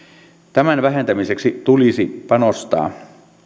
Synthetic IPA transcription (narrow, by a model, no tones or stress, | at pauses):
t̪æmænʋæɦent̪æmiseksit̪ulisipɑnost̪ɑ̰ː